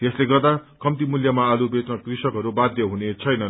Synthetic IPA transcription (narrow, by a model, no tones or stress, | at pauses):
t̪esleɡʌrd̪akʌmt̪imuljʌmaːlubet͡snʌkrisʌkɦʌɾubad̪jʌɦunet͡sʰʌjnʌn